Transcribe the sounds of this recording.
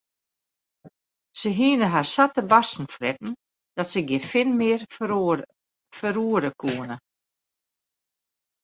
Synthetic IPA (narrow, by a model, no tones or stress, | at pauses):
səɦiənəɦarsatəbasn̩frɛtn̩ | d̥ɔtsəɡjɪfɪnmɪər | fəɾuːəɾəkʰuənə